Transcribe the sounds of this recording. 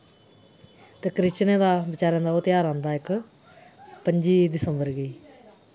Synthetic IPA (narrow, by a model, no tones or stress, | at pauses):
t̪eːkɾɪt͡ʃnẽːd̪aːbɪt͡ʃaːɾãːnd̪aoːt̪jaːɾãːnd̪aːɪk | pəɲd͡ʒiːd̪ɪsəmbəɾɡəiː